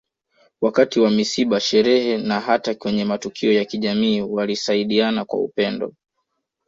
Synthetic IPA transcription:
wakatiwamisiɓaʃɛɾɛhɛnaɦatakwɛɲɛmatukʰiɔjakiʄamiːwalisaiɗianakwa̰ṵpɛndɔ̰

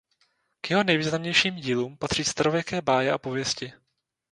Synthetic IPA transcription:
kjɛɦonɛjviːznamɲɛjʃiːmɟiːluːmpat̪r̥iːst̪aɾovjɛkɛːbaːjɛʔapovjɛscɪ

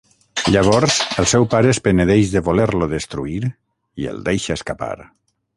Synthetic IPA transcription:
ʎaβ̞ɔɾzəlˠsɛwpaɾəespeneðeʃðəβoleɾloðəst̪ɾuiɾ | iḛlˠd̪ejʃaːskapa̰ɾ

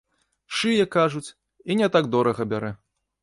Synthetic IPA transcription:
ʂɨjɛkaʐut͡sʲ | inʲɛt̪aɡd̪ɔɾɐɣɐbʲaɾɛ

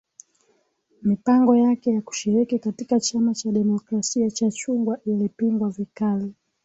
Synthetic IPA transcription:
mipaŋɡɔjakɛjaku̥ʃiɾikikatikat͡ʃamat͡ʃaɗɛmɔkɾasiat͡ʃat͡ʃuŋɡwaʔilipiŋɡwavikali

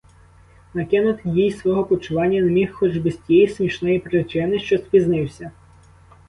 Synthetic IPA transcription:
nɐkɪnʊt̪ɪjʲijsʋɔɦɔpɔt͡ʃʊʋɑnʲːɐnemʲixxɔd͡ʒbɪsʲtʲjɛjismʲiʃnɔjipɾɪt͡ʃɪnɪʃt͡ʃɔspʲiznɪwsʲɐ

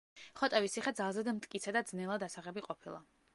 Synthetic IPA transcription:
χɔt̪ʼɛvisiχɛd̪zalˠzɛd̪mt̪ʼkʼit̪sʰɛd̪ad̪znɛlˠad̪asaʁɛbiqʼɔpʰilˠa̰

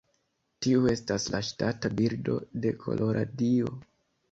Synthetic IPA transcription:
tiue̞staslaʃtatabiɾdo̞̰de̞kʰo̞̰lʔo̞ɾʔadio̞

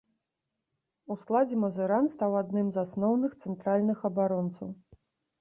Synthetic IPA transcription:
usklˠad͡zʲɛmɐzɛɾanst̪awad̪nɨmzasnɔwnɨxt̪sɛnt̪ɾalʲnɨxɐbaɾɔnt̪sɐw

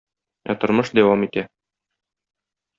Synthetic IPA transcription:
æt̪ŏɾmɤʃd̪æwɑmit̪æ

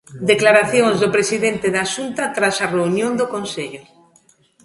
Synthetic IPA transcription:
d̪eklaɾaθjoŋzðʊpɾesiðent̪ɪðaːʃunt̪ɐt̪ɾasɐreunjõnd̪ʊkonseʎʊ

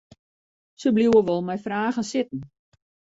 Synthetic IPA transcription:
səbluwəʋɔlˠmɛjfraːɣənsɪtn̩

